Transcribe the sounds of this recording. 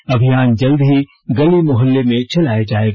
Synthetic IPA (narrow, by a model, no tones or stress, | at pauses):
ɐbʱijaːnd͡ʒɐld̪ɦi | ɡɐlimʊɦəlːemẽt͡ʃɐlaːed͡ʒaːeːɡ